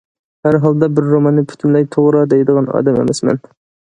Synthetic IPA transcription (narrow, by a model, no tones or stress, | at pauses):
hæɾɦɑlˠd̪ɑbɪɾːomɑnːɨpʰy̥t̪ʰymlɛjt̪ʰoʁɾɑd̪ɛjd̪əʁɑnɑ̰ːd̪ɛmḛmɛsmɛ̰n